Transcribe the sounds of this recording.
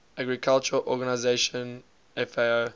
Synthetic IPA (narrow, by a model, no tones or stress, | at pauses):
aɡɹikʰalt͡ʃəʔɔɡanaɪzeʃɔ̃n | ɛfeo